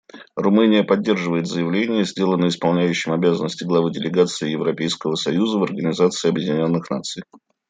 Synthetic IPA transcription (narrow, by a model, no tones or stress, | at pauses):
rʊmɨnʲɪjəpɐdʲːe̞rʐɨvəɪt̪zəjɪvlʲenʲɪjəzʲdʲe̞lˠənəɪspɐlˠnʲæjʉɕːɪmɐbʲazənːəsʲtʲɪɡlˠɐvɨdʲɪlʲɪɡat̪sɨɪjɪvɾɐpʲejskəvəsɐjuzəvɐrɡənʲɪzat̪sɨɪɐbjɪdʲɪnʲo̞nːɨxna̰t̪sɨj